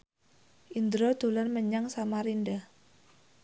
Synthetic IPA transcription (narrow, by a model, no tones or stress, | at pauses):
ʔind̪ɾɔd̪̥o̤lanməɲaŋsamaɾinɖa